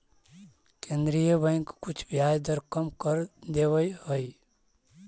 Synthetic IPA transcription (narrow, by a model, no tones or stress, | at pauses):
kẽnd̪ɾijəbə̃ɪ̃ŋkːut͡ʃʰbjajd̪əɾkəmkəɾd̪ewəjhəj